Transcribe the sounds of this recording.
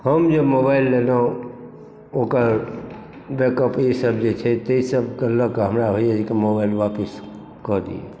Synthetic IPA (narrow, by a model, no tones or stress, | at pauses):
həmd͡ʒemobailːenã | okəɾ | bekəpjisəb̚ʱd͡ʒet͡ʃʰɛt̪eisəbʱkeləkɦəmɾabʱəijed͡ʒekemobailʋapəs | kɔɾd̪ḭḛ